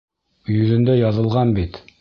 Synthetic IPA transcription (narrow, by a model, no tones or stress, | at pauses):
jɵ̆ðɘ̆nd̪æjɑðɤ̆lˠʁɑnbit̪